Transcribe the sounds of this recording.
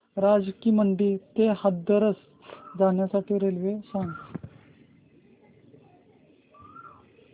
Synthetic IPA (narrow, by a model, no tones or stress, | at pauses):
ɾad͡zkiːməɳɖiːt̪eɦəd̪əɾəs | d͡zaɳjasaʈʰiːɾelʋesãŋɡ